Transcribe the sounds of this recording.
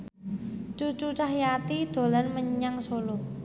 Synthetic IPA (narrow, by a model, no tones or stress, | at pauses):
t͡ʃut͡ʃut͡ʃahjat̪id̪̥o̤lanməɲaŋsolo